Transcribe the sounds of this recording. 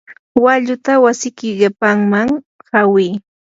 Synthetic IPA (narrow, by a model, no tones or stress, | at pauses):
waʎʊt̪awasɪkɪɢɪpaŋmaŋ | hawiː